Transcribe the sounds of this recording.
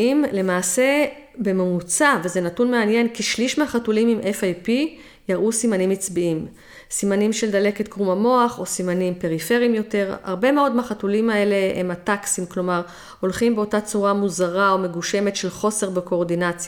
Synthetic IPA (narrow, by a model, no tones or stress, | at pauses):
imle̞maːse̞ | be̞memut͡saveze̞natunmeanje̞nkiʃliʃmaχatulimimʔefajpi | jaʁʔusimanimit͡sbiim | simanimʃe̞ld̪ale̞ket̪kʁumamo̞aχo̞simanimpe̞ʁifeʁiimjo̞te̞ʁa̰ʁbe̞meo̞dmaχatulimae̞le̞emataksimklo̞maʁ | o̞lχimbeo̞tat͡suʁamuzaʁao̞me̞ɡuʃe̞metʃe̞lχo̞se̞ʁbeko̞ːʁd̪inat͡sja